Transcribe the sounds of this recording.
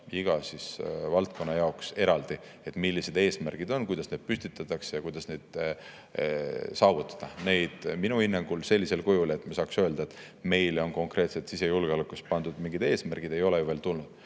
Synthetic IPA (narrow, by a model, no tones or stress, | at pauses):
iɡ̥ɑsisvɑlt̪̚kʰo̞nːɑjɑokse̞ɾɑld̪̥ie̞t̪ːˑmilːise̞d̪e̞ːsmærɡ̥id̪o̞nkujd̪ɑsne̞d̪̥̚pysʲt̪it̪ːˑɑt̪ːˑɑksjɑkujd̪̥ɑsne̞d̪̥ | sɑːvut̪ˑːɑ̥d̪̥ɑne̞jd̪̥minuhinːɑŋɡ̥ulse̞lʲːise̞lkujule̞t̪ːˑmiesɑːksøːld̪ɑet̪ | me̞jlo̞nko̞ŋkre̞ːt̪se̞t̪sise̞julɡ̥eolɛkˑust̪pɑnd̪ud̪̥miŋɡ̥id̪̥e̞ːsmærɡ̥id̪̥e̞jo̞lejuve̞ːlt̪ulnud̪̥